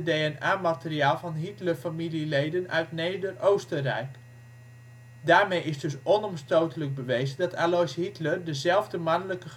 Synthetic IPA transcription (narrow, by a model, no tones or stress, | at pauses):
dejɛnaːmatəriaːlˠvɑnɦitlərfamililejdənœ̰ɥtneːdərowstərɛ̰jk | daːɹmejɪsdɵsɔnɔmstoːtələɡ̚bəʋejzəndɑtʰalojshitlərdəzɛlˠvdəmanələkəχ